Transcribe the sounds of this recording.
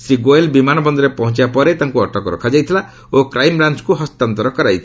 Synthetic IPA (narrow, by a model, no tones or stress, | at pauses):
sɾiɡoelbimanɔbɔnd̪ɔɾepɔɦɔ̃nt͡ʃibapɔɾet̪aŋkuɔʈɔkɔɾɔ̰kʰad͡ʒajt̪ʰila | okɾajmɾant͡ʃkuɦɔst̪ant̪ɔɾɔkɔɾajt̪ʰi